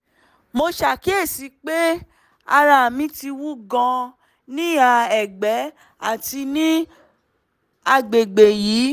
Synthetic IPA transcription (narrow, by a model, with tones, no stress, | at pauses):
mo˧ʃa˨ki˨˦e˦˨si˨˦k͡pe˦ | a˧ɾa˧˨mĩ˦ti˧wu˦ɡã˧ | nĩ˦a˧˨ɛ˨ɡ͡bɛ˨˦ | a˦˨ti˧nĩ˦ | a˧ɡ͡be˨ɡ͡be˨jiː˨˦